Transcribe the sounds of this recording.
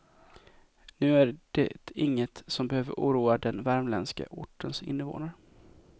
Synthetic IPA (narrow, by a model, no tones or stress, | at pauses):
nʉ̟ːæɾd̥ɛ̰t̪ʰɪŋːət̪sɔmbɛhøːvə̰ɾʔṵːɾuːad̪ɛnvæɾmlɛnska̰ʔʊʈːənsɪ̰nːəvo̰ːnaɾ